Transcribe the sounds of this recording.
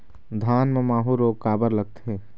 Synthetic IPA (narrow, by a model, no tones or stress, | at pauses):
d̪ʱaːnmemaːɦuɾokaːbəɾləɡ̚t̪ɦe